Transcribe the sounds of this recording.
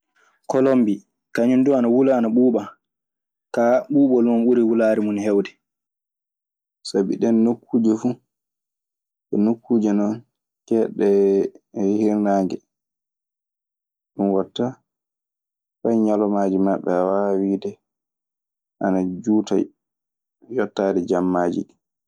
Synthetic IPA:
kɔlombi | kaɲunduanawulaːnaɓuːɓa | kaɓuːɓɔlumɔnɓuɾiwulaːɾimunhɛwdɛ | sabiɗɛnːokʰːuːd͡ʒɛfu | ʔɛnokːuːd͡ʒɛnɔn | kɛɗɛ | wihiɾnaːŋɡɛ | ɗunwatːa | fajɲalɔmad͡ʒimaɓːɛwawiːdɛ | ʔanad͡ʒuːta̰ | jɔtːadɛd͡ʒamːaːd͡ʒḭ

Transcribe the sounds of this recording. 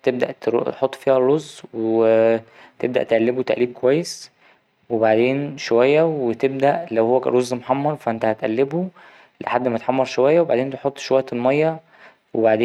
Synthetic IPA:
t̪eb̚d̪æ̰ʔt̪t̪ħot̪ˤːfiːhærːozːweet̪eb̚d̪æʔt̪eʔælːebot̪æʔliːb̚kowæjːes | webaʕd̪eːnʃowæjːæwet̪eb̚d̪æʔlæwhowːæɾˤozːmoħɑmːɑɾˤfæʔent̪æhæt̪ʔælːebu | lḛħad̪ːmæt̪ħɑmːɑɾˤʃowæjːæweba̰ʕd̪eːnt̪eħot̪ˤːʃowæjæt̪elmɑjːɑ | webaʕd̪eː

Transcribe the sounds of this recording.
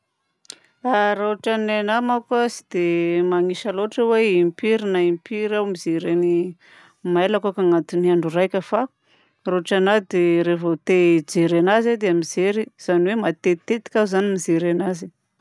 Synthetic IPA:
aɾaʈ͡ʂananamakasid̪̥emaŋiʃaloʈ͡ʂəweimpiɾinaimpiɾawmizeɾani | maelakakaŋat̪iniaɳɖ͡ʐurajkʲəfa | raʈ͡ʂanad̪eɾevot̪ed͡ʒeɾanazed̪eamizeɾiz̥aniwemat̪et̪et̪i̥kʲazanimizeɾanazi

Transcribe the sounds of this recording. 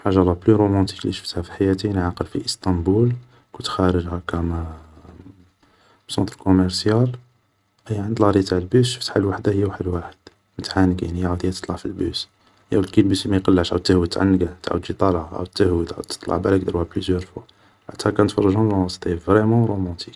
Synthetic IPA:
ħaʒːɑlˤːɑplyɾomɑ̃t̪i̥kliʃə̥ft̪hæfi̥ħajæt̪inʕaqəlfiʔəst̪ɑ̃mbul | kut̪xæɾəʒhækæmæ | bsɑ̃t̪ɾkoməɾsjal | ʔæjːʕənd̪lɾˤit̪aʕəlbysʃəft̪halwaħd̪ahəjːæwaħəd̪waħəd̪̥ | mət̪ʕanːəɡanijʕud̪ihæt̪ə̥t̪ˤlɑʕfilbus | jæwlkilbyslimæjqɑlːəʕʃʕawt̪ːəhwət̪ːʕa̰nːəɡæt̪ʕa̰d̪ʒit̪ˤɑlʔæ̰wt̪ːəhwəd̪ʕa̰wd̪̚t̪ːə̥t̪ˤlɑ̰ʕbælæk̚d̪əɾhæblyzjœɾfwa | ħat̪ːhækænət̪fɑrˤːɑʒunlwɑst̪ˤevɾɛmɑ̃ɾomɑ̃t̪ʰik

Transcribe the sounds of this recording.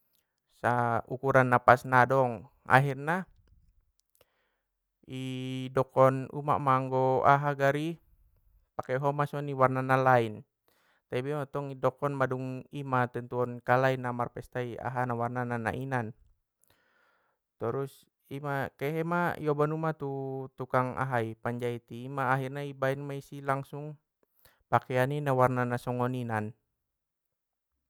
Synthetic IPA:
saukuɾanːapasnadɔŋ | a̰ɦirna | idɔkɔnṵma̰ʔmaŋɡɔa̰ɦaɡaɾi | pakɛɦɔmasɔniwarnanalain | t̪abɛmat̪ɔŋidɔkɔnmaduŋimat̪ɛnt̪uɔnkalainamarpɛst̪aia̰ɦanawarnanana̰ʔinan | t̪əɾus | imakɛɦɛmajɔbanumat̪ut̪ukaŋa̰ɦaipaɲd͡ʒait̪iːmaːɦirɲaibainmaisilaŋsuŋ | pakɛaninawarnanasɔŋɔninan

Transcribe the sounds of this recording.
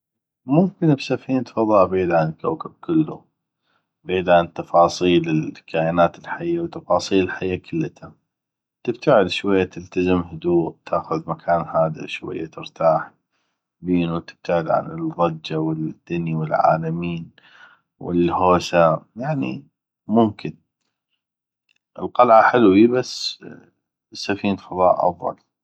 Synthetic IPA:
mʊmkɪnbsafiːnt̪fɑðˤɑːʔbiːd̪ʕant̪̚kawkab̚kɪlːṵ | beːd̪ʕant̪ːɑfɑːsˤiːlɪkʰaːʔnaːt̪ɪlħajːawt̪ɑfɑːsˤiːlɪlħajːakʰʊlːat̪ʰa | t̪ɪb̥̚t̪aʕɪd̪ʃwajːat̪ɪlt̪azɪmhʊd̪uːʔt̪ʰaːxʊðmakʰaːnhaːd̪a̰ʃwa̰jːa̰t̪ɪɾt̪aːħ | biːnuwt̪ɪ̥b̥̚t̪aʕɪd̪ʕa̰nɪlɣˤɑd͡ʒːawɪld̪̥ːaniwɪlʕa̰ːlamiːn | wɪ̰lhoːsajaʕnḭ | mʊmkʰɪn | ʔɪlqɑlʕaħɪlwibasː | sːafiːnlfɑðˤɑ̰ːʔʔɑ̰fˤðˤɑ̰l

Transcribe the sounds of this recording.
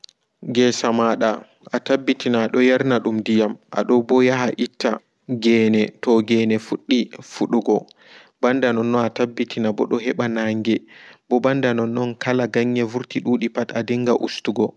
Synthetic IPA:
ɡɛsamaɗa | ʔatabːitinaɗɔjaɾnaɗumdijamʔa̰ɗɔbɔjaɦaʔitʰːa | ɡɛːnɛtɔɡɛːnɛfuɗːifuɗuɡɔ | bandanɔnːɔnatabːitʰinabɔɗɔɦɛɓanaŋɡɛbɔbandanɔnːɔnkʰalaɡaɲːɛvuɾtiɗuːɗipatadiŋɡaʔṵstuɡɔ

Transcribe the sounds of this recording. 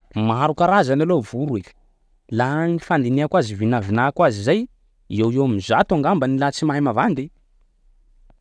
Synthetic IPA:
maaɾukaɾazanalovuɾuel̥ | lanifand̪ineakwazivinavinakwazizaj | iewewamizat̪uaŋɡambənilat͡simajmavand̪i

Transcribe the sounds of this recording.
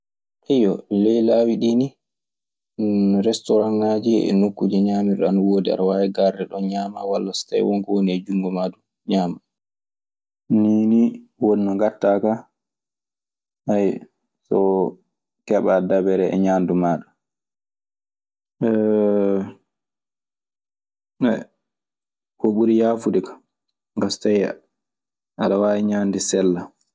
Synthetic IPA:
ʔɛjɔlɛjlaːwiɗini | ɾɛstɔɾannad͡ʒḭɛ̰nokːud͡ʒɛɲaːmiɾanawoːdia̰ɾwawɛɡaɾdɛɗɔnɲaːma̰walːasta̰jwɔŋkɔwoniɛd͡ʒuŋɡɔmadu | ɲaːma | niːniwoninɔŋɡatːaka | haj | sɔ̰ | kɛɓadabɛɾɛɛ̰ɲaːndumaːɗu | ɛ | ɛ̰ | kɔɓuɾijaːfudɛkḁ | ɡastaja̰ | ʔaɗawaɛɲaːndɛsɛlːa

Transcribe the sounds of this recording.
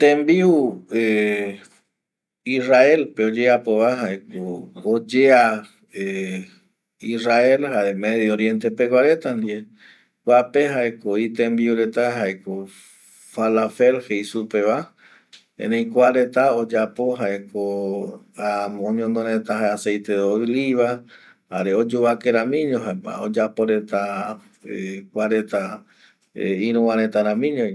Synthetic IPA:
t̪ẽmbiue | israe̞lpeod͡ʒeapoβaɦaekood͡ʒea | e | israe̞lhaemeðjooɾjẽnt̪epekʷaɾe̞t̪and̪ie | wʷapeɦaekoit̪ẽmbiuɾe̞t̪aɦaeko | falafelhejsupe̞βa | ḛnẽj̃kʷaɾe̞t̪aod͡ʒapo̞ɦaeko | amõɲõnd̪oɾẽt̪aɦaeasejt̪eoliβa | ha̰ɾeod͡ʒuβakeɾãmĩɲõɦaa̰o̰d͡ʒapo̞ɾe̞t̪a | ekʷaɾe̞t̪a | eĩɾ̃ũwãɾ̃ẽt̪aɾãmĩɲõ

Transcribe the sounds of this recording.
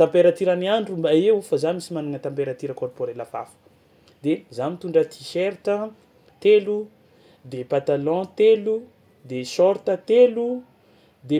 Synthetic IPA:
t̪ãmpeɾat̪iɾəniaɳɖ͡ʐumbaewfazanisimaniŋət̪ãmpeɾat̪iɾəkɔrpoɾelava̰fə̥ | d̪ezamit̪uɳɖ͡ʐət̪ʰi̥ʃeɾtə | t̪elu | d̪epat̪alɔ̃t̪elu | d̪esɔɾt̪ət̪elu | d̪e

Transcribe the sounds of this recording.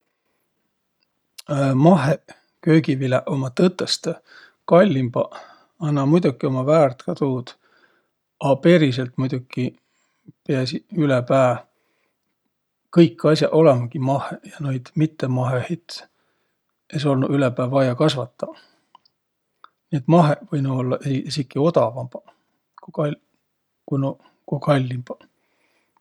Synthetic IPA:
mɑɦe | kø̞ːɡivileʔo̞mɑt̪ɤt̪ːˑest̪ | kɑlʲːimb̥ɑ | ɑnːɑmujd̪ukio̞mɑvæːrt̪kɑt̪uːd̪̥ | ɑpe̞ɾis̬e̞lt̪mujd̪̥ukːi | peɑsiylepæː | kɤjkːɑsʲjɑʔo̞lemɑkimɑhejɑnojd̪̥mit̪ːemɑɦehit̪ | es̬o̞lnuylepæːvɑjɑkɑsvɑt̪ːɑ | niet̪ːˑmɑɦevɤjnuo̞lːɑʔeesikːˑio̞d̪ɑvɑmbɑ | kukɑ | kuno | kukɑlʲːimb̥ɑ̥

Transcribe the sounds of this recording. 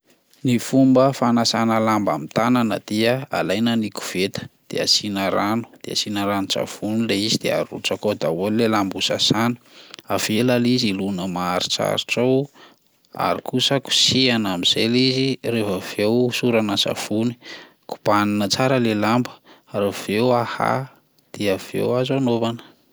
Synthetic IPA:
nifumbəfanasanəlamba̰mit̪ananəd̪iəa̰lajnaniku̥v̥et̪ə̥d̪̥ḛa̰sinaɾanu̥d̪̥ea̰sinaɾanusa̰v̥unileizid̪̥eaɾṵʈ͡ʂakod̪awulilelambusasanu̥avelalizilunəmaaɾit͡sa̰ɾiʈ͡ʂaw | a̰ɾikusəku̥sianamiz̥elizirefəv̥ewsuɾanəsa̰funi̥ | ku̥paninət͡saɾəlelambə̥ɾav̥ewaha̰ | d̪̥eav̥ḛwazanovanə̥

